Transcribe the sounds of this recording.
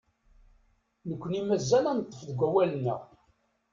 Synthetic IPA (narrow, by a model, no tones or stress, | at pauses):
nəkʷːənimæzːælænt̪ˤːəfðɡʷæwælənːə̰ʁ